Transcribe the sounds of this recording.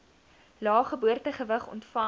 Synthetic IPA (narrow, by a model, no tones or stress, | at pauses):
lɑːχəbuərtəχəvəχɔ̰ntfɐ